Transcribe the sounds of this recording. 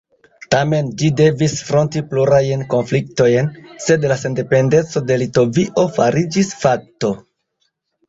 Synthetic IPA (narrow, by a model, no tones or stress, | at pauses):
tame̞nd͡ʒide̞visfɾo̞ntipluɾajnko̞nflik̚to̞jnse̞dlase̞nde̞pe̞nde̞t͡so̞de̞lito̞viʔo̞faɾid͡ʒisfak̚to̞